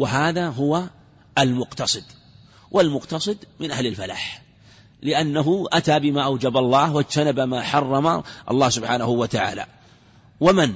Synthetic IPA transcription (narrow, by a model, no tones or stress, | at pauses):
wɪɦaːðaɦʊwa | almʊqt̪ɑsˤɨd̪ | wʔɪlmʊqt̪ɑsˤɨd̪mɪnʔahlɪlfala̰ːħ | lɪʔanːaɦʊʔat̪aːbɪmaːʔawd͡ʒabalˤːɑːhwad͡ʒt̪anabamaːħɑrˤːɑmaʔɑ̰lˤːɑːhsʊbħaːnahʊwat̪aʕa̰ːla̰ | waman